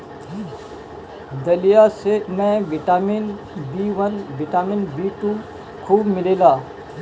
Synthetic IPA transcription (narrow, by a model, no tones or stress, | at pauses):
d̪ɐlijasemɛ̃ʋɪʈaːmin | biːʋənʋɪʈaːminbiːʈu | kʰuːbmɪleːlaː